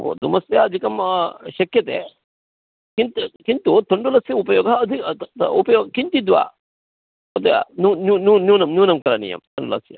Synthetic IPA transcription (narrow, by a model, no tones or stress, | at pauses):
d̪umɐst̪jɐɐd̪ʱikɐmʃɐkjɐt̪ḛː | kint̪kint̪ut̪oɳɖulɐsjɐupɐjɔːɡɐːd̪ʱiupɐjoːɡkint̪id̪ʋa̰ː | ɐt̪ɐja̰nuːnunuːnuːnɐmnuːnɐmkɐɾɐnḭjɐ̰mt̪ɐɳɖulɐ̰sjɐ̰